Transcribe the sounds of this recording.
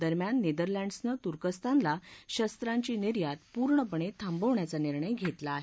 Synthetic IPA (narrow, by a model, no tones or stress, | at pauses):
d̪əɾmjanːed̪əɾlæ̃ɳɖəsnət̪uɾkəst̪ʰanlaɕəst̪ɾaɲt͡ɕiːniɾjat̪puɾɳəpəɳet̪ʰambəʋɳjat͡saniɾɳəjɡʱet̪laːɦe